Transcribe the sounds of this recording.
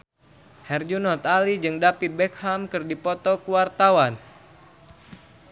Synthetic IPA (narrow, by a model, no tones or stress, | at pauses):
hɛrd͡ʒunɔt̪alid͡ʒɨŋdapit̪̚bɛk̚hamkɨrdipɔt̪ɔkuwart̪awan